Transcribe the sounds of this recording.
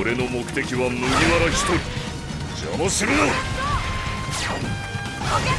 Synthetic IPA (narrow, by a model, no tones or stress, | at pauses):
oɾe̞no̞mo̞kɯ̟̥t̪e̞kʲiβanoɾiβaɾaçi̥t̪oɾʲi | d͡ʑa̰moɕiɾɯo